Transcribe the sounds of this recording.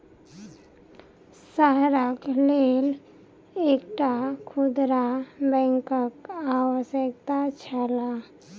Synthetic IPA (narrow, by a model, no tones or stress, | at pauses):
səɦɾəkleːl | eːkʈakʰʊd̪ɾabɛ̃ːŋkəkawəʃək̚t̪at͡ʃʰəla